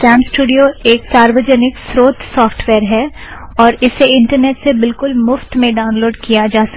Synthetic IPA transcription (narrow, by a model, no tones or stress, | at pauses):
sɛ̃ːmsʈuːɖijoeːksaːɾʋəd͡ʒənɪksɾoːt̪sɔːfʈʋeːɾɦɛɔːɾɪseɪ̃ɳʈəɾneːʈsebɪlkʊlmʊft̪mẽɖaːʊ̃nloːɖkijad͡ʒaːsɐ̥kː